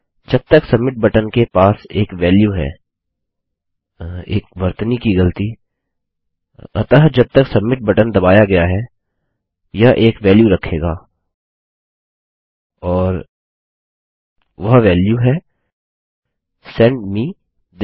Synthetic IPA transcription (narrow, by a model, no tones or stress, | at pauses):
d͡ʒɐb̚t̪əksɐmːɪʈ̚bɐʈənkepaːseːkʋɛːljuɦɛ̰ː | ḛːkʋɐɾt̪nikiɡɐlt̪i | ɐ̰t̪əɦd͡ʒɐb̚t̪ɐksɐmːɪʈ̚bɐʈənd̪ɐbaːjaɡɐjaɦɛ | jaʔeːkʋɛːljuɾɐkʰːeːɡaː | ɔːɾ | ʋɐɦʋɛːljuɦɛ | sɛ̃ɳɖmiː | d̪